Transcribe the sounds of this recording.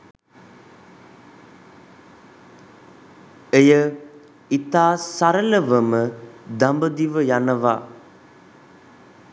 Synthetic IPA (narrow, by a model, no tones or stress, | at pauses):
ejə | it̪aːsaɾələʋəməd̪ambəd̪iʋəjanəʋa̰